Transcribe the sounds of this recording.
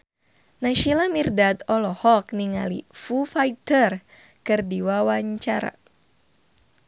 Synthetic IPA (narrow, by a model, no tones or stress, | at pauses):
naʃilamirdat̪ɔlɔhɔkniŋalḭfufait̪ər | kɨrdiwawaɲt͡ʃaɾa̰